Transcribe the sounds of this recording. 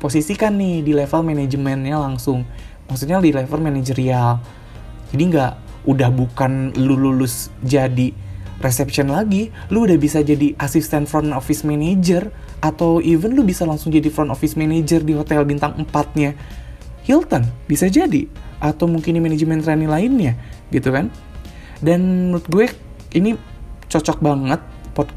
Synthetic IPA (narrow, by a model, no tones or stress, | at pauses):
posisikanːɪhdilɛfəlmened͡ʒəmɛnɲalaŋsʊŋmaksut̪̚ɲadilɛfəlmened͡ʒəɾial | d͡ʒadiŋɡaʔ | ʔudahbukanlululʊsd͡ʒadiresɛpʃənlaɡiluudahbisad͡ʒadiʔasist̪ɛnfɾɔnofismɛned͡ʒər | ʔat̪awʔivənlʊhbisalaŋsʊŋd͡ʒadifɾɔnɔfismened͡ʒərdiɦot̪ɛlbint̪aŋəmpat̪̚ɲa | hilt̪ənbisad͡ʒadiʔat̪awmuŋkɪndimened͡ʒmɛnt̪ɾanilaɪnɲaɡit̪ukan | danːut̪̚ɡuɛk̚ | init͡ʃɔt͡ʃɔk̚baŋət̪̚pɔd